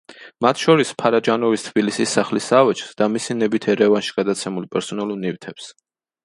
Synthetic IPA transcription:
mat̪ʰʃɔɾispʰaɾad͡ʒanɔvist̪ʰbilisisːaχlisavɛt͡ʃʰsd̪amisinɛbit̪ʰɛɾɛvanʃi̥ɡ̥ad̪at̪sʰɛmulˠpʼɛɾsɔnɛlunivt̪ʰɛps

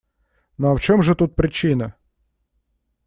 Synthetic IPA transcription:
noɐft͡ɕomʐɨt̪ut̪̚pɾʲɪt͡ɕinə

